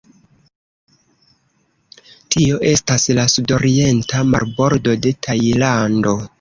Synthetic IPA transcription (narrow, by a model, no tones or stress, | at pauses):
tʰio̞ʔe̞staslasudo̞ɾie̞ntʰama̰ɾbo̞ɾdo̞de̞tʰajlando̞